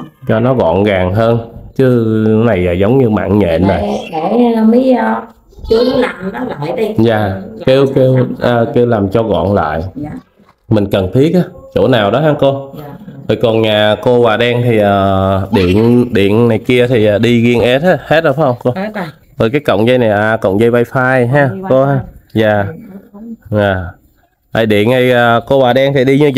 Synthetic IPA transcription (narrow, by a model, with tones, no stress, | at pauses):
t͡ɕɔ˧nɔ˨˦ɣɔ̰˧˨nɣaː˨˩ŋɦəː˧nt͡ɕɨ˨˦na˨˩jlaː˨˩zə˨˦wŋ͡mɲɨ˧ma̰ː˧˨ŋɲḛ˧˨nːa˨˩ɗe˧˩˨mi˨˦˧ | ki˧˨˦laː˨˩mɔ˨˦la̰ː˧˨jɗzaː˨˩ke˧wke˧wʔəː˨˩ke˧wlaː˨˩mt͡ɕɔ˧ɣɔ̰˧˨nla̰ː˧˨j | mï˨˩ŋ̟kə˨˩nt̪ʰi˦˥ək̚ʔaː˨˦t͡ɕo̰˧˩naː˨˩wɗɔ˨˦ɦaː˧ŋko˧to˨˩jkɔ˨˩nɲaː˨˩ko˧waː˨˩ɗɛ˧ŋt̪ʰi˨˩ʔəː˨˩ɗḭ˧˨ənɗḭ˧˨ənnːa˨˩jki˧ət̪ʰi˨˩ʔaː˨˩ɗi˧ɣi˧ənʔɛ˦˥t̚a˨˦he˦˥t̚ə˧˩˦hə˧wŋ͡mko˧ | zo˨˩jkaː˨˦jkə̰˧˨wŋ͡mzə˧jna˨˩jʔaː˨˩kə̰˧˨wŋ͡mzə˧jva˧jfaː˧jɦaː˧ko˧haː˧zaː˨˩ | aː˨˩ | a̰˨˩jɗḭ˧˨ənt̪ʰi˨˩ʔəː˨˩ko˧waː˨˩ɗɛ˧ŋt̪ʰi˨˩ɗi˧ɲɨ˧